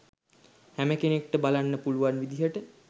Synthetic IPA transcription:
hæməkenek̚ʈəbalanːəpuluʋanʋid̪iɦəʈə

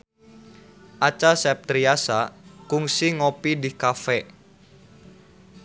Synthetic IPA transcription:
ʔat͡ʃasɛp̚t̪ɾiasakuŋsiŋopidikafɛ

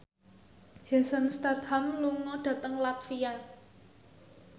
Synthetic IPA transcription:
d̥ʒ̥a̤sanst̪at̪hamluŋɔɖ̥ä̤t̪əŋlat̪fija

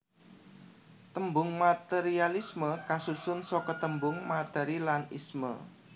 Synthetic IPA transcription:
t̪əmbʊŋmat̪eɾialisməkasusʊnsɔkət̪əmbʊŋmat̪ɛɾilanismə̰

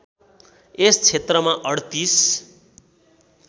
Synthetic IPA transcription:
est͡sʰet̪rʌmaʔʌɽt̪is

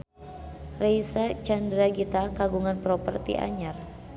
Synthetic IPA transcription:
rejsat͡ʃandɾaɡit̪akaɡuŋanpɾɔpərt̪ḭʔa̰ɲar

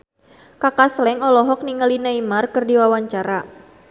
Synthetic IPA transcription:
kakaslɛŋɔlɔɦɔk̚niŋalinaimarkɨrdiwawaɲt͡ʃaɾa

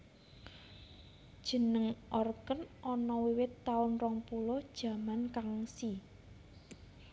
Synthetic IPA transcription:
d̥ʒ̥ə̤nəŋʔɔrkənʔɔnɔwiwɪt̪ːaʊnrɔŋpulɔd̥ʒ̥ä̤mankaŋsi

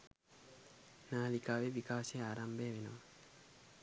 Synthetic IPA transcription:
naːlikaβeβikaseaɾambeβeno

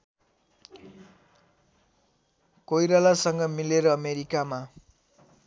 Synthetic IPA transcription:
kojɾalasʌŋɡʌmileɾʌʌmeɾikama

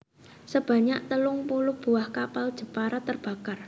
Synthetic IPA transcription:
səb̥a̤ɲaʔt̪əlʊŋpulʊhb̥ṳahkapald̥ʒ̥ə̤paɾat̪ːərb̥a̤kar

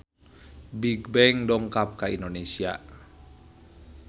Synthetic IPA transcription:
biɡbɛŋdɔŋkap̚kaindonesia̰

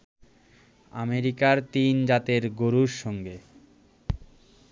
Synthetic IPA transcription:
a̰meɾikaɾt̪ind͡ʑat̪eɾɡoɾuɾʃɔŋɡe

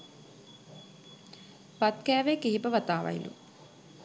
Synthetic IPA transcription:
pat̪kɛːʋekiɦipəʋat̪aːʋa̰jlṵ

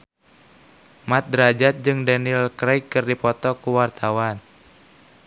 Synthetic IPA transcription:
mat̪̚dəɾad͡ʒat̪̚d͡ʒɨŋdanilkɾajkːɨrdipɔt̪ɔkuwart̪ʰawan

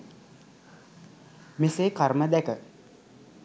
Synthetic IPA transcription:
meseːkaɾməd̪ækə

